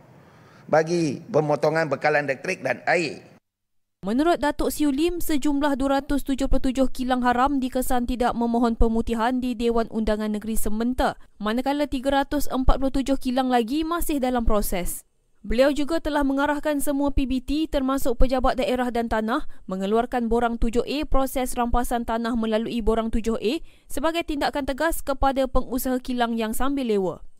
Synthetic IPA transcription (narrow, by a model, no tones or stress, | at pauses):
baɡipəmot̪oŋãnbəkalandɛk̚t̪ɾɪk̚danai | mə̃nuɾʊt̪̚dat̪ɔʔsiulimsəd͡ʒumlahduwaɾat̪ʊst̪ud͡ʒʊhplʊt̪ud͡ʒʊhkilaŋɦaɾamdikəsant̪idaʔ̚mə̃mɔ̃ɦɔnpəmut̪iɦandidewanʔundaŋãnːəɡəɾisəmənt̪amanakalat̪iɡaɾat̪ʊsəmpat̪̚plʊt̪ud͡ʒʊhkilaŋlaɡimãsɪhdalampɾosɛs | bəliawd͡ʒuɡat̪əlahmə̃ŋaɾahkansəmũapibit̪it̪ərmãsʊk̚pəd͡ʒabat̪̚daʔeɾahdant̪anãhmə̃ŋəluarkanboɾaŋt̪ud͡ʒʊhʔepɾosɛsrampasant̪anãhmə̃laluiboɾaŋt̪ud͡ʒʊhʔe | səbaɡajt̪indakant̪əɡaskəpadapəŋusaɦakilaŋjaŋsambɪlːewə